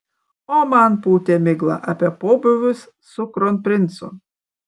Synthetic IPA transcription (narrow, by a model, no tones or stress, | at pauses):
ɔmanpuːt̪ʲemʲɪɡlˠɐ̰ʔɐpʲɛpoːbʲʊʋʲʊs | sʊkɾɔnpʲɾʲɪnt̪sʊ̰